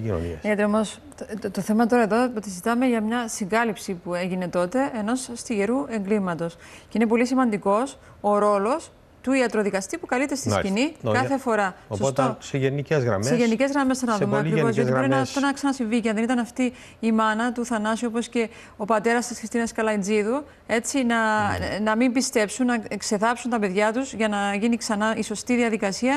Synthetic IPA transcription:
ino̰nḭɐt̪eomos | t̪oθe̞mɐt̪oɾɐeðo̞ot̪izit̪ɐme̞ʝɐmɲɐsiŋɡɐlipsipueʝine̞t̪o̞t̪e̞eno̞sst̪iʝe̞ɾue̞ŋɡlimɐt̪o̞sceine̞po̞lisimɐnd̪iko̞s | o̞ɾo̞lo̞s | t̪uiɐt̪ɾo̞ðikɐst̪ipukɐlit̪ːest̪iskinikɐθe̞fo̞ɾɐosot̪sʝeniezɣɾɐ̰mseseʝenice̞zɣɾɐme̞stθɐnɐðumeɐkɾivozjoiboɾinɐft̪onɐksɐnɐsiɱvicɐnðenit̪ɐnɐft̪iː | mɐnɐt̪uθɐnɐsio̞po̞sce̞ | opɐt̪e̞ɾɐst̪isxɾist̪inɐskɐlɐind͡ziðu | e̞t͡sinɐnɐmimbist̪e̞psunːɐekse̞ðɐpsunt̪ɐpe̞ðʝɐt̪uzʝɐnɐʝiniksɐnɐiso̞st̪iðiɐðikɐsiɐ

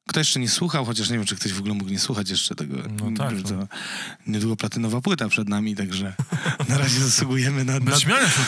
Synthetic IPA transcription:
kt̪ɔjɛʂt͡ʂɛɲɛswuxawxɔt͡ɕaʂɲɛvʲjɛmt͡ʂɨkt̪ɔʑvɔɡulɛmukɲɛswuxat͡ɕjɛʂt͡ʂɛt̪ɛɡɔ̰ɲvɛmt̪ɔɲɛd̪wuɡɔplat̪ɘnɔvapwɘt̪apʂɛd̪namʲit̪aɡʐɛnaɾaʑɛzaswuɡujɛmɘnanmʲaj

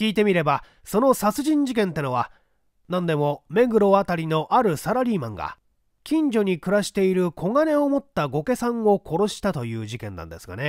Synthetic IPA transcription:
iːt̪e̞mʲiɾe̞ba | so̞no̞sat͡sɨʑĩɲ̟d͡ʑik̬ẽ̞nt̪ːe̞no̞βa | nãnd̪e̞mo̞me̞ɡɯ̟ɾo̞at̪aɾʲino̞ʔaɾɯ̟saɾaɾʲiːmã̰ŋɡa̰ | kʲĩɲ̟d͡ʑo̞ɲ̟ikɯ̟ɾaɕi̥t̪e̞iɾɯ̟kʰo̞ŋane̞o̞mo̞t̪ːaɡo̞ke̞sãŋo̞kʰo̞ɾo̞ɕi̥t̪at̪o̞jɯ̟ːʑikẽ̞nːã̰nd̪e̞sɨ̥ɡa̰ne̞

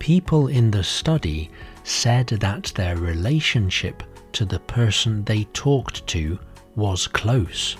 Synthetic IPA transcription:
pʰipʰəlˠɪ̃nðɨstʌɾi | sɛd̪̚ðət̪̚ðə˞ɹɪleɪʃɨ̃nʃɪ̰p | tʰɨðɨpʰɜ˞sn̩ðeɪtʰɔktʰɨ | wʌz̥kʰl̥oʊs

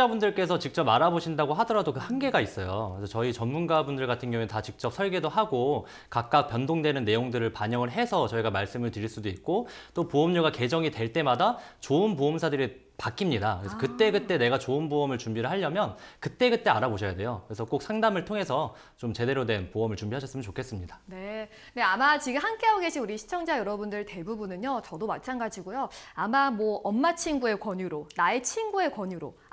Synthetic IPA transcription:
abundɯɭk͈e̞s̬ʰʌt͡ɕik̚t͡ɕ͈ʌpaɾaboɕʰindaɡoɦadʌɾadokɯhanɡe̞ɡais͈ʌjoesʰʌt͡ɕʌit͡ɕʌnmunɡabundɯɭɡatʰɯnɡjʌŋuetat͡ɕik̚t͡ɕ͈ʌp̚sʰʌɭɡe̞dohaɡo | kak̚k͈ak̚p͈jʌndoŋdwe̞nɯnːe̞joŋdɯɾɯɭpaɲʌŋɯɭɦe̞sʰʌt͡ɕʌiɡamaɭs͈ɯmɯɭtɯɾiɭs͈udoik̚k͈ot͈opoʌmɲoɡake̞d͡ʑʌŋitwe̞ɭt͈e̞madat͡ɕoɯnpoʌmsʰadɯɾi | pak͈ʰimɲidakɯɾe̞sʰʌkɯt͈e̞ɡɯt͈e̞ne̞ɡat͡ɕoɯnboʌmɯɭt͡ɕumbiɾɯɭɦaʎːʌmjʌnkɯt͈e̞ɡɯt͈e̞aɾaboɕʰʌjade̞jokɯɾe̞sʰʌk͈ok̚sʰaŋdamɯɭtʰoŋe̞sʰʌ | t͡ɕomt͡ɕe̞de̞ɾodwe̞npoʌmɯɭt͡ɕumbiɦaɕʰʌs͈ɯmjʌnt͡ɕokʰe̞s͈ɯmɲidane̞ | ne̞amat͡ɕiɡɯmhank͈eaoɡe̞ɕʰinuɾiɕʰi̥t͡ɕʰʌŋd͡ʑajʌɾʌbundɯɭte̞bubunɯɲjot͡ɕʌdomatt͡ɕʰaŋɡad͡ʑiɡojoamamwʌʔʌnmat͡ɕʰinɡue̞kwʌɲuɾonae̞t͡ɕʰinɡue̞kwʌɲuɾo̰

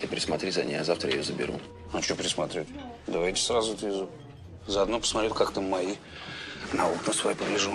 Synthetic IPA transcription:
t̪ɪpɾʲɪsmat̪ɾʲizɐ̰nʲḭjazaft̪ɾəjɪ̰jozəbʲɪ̰ɾṵ | at͡ɕopɾʲɪsmat̪ɾʲut̪ʲd̪avajtʲɪ̥sɾazʊt̪vʲɪzu | zəɐd̪nopə̥smat̪ɾʲet̪̚ʲkakt̪ɨmaji | nauknəsvaipəlʲɪʐu

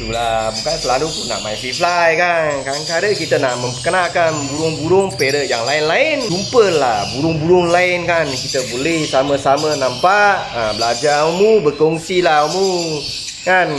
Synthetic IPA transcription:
t̪ulabukansəlalupʊnːa̰ʔmaisiflajkankankaɾəkit̪ənaʔməmpəkənakanbuɾʊŋbuɾʊŋpeɾəʔjaŋlaɪnlaɪndumpəlabuɾʊŋbuɾʊŋlaɪnkankit̪əbolɛhsaməsamənampaʔəbəlad͡ʒaumubərkɔŋsilaomu | kan

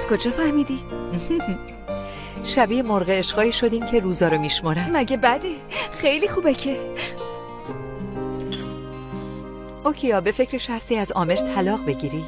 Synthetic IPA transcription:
æz̥kod͡ʒɒːfæhmiːd̪i | ʃæbijemoɾɣeːʃɢɒːiːʃo̞d̪iːmcʰeɾuːzɒːɾomiʃmoɾæmmæɟebæd̪e | xejlixuːbecʰe | ʔocʰejɒːbe̞fecʰɾe̞ʃhæst̪iːæzɒːme̞ɾt̪ʰælɒːʁbe̞ɟiɾi

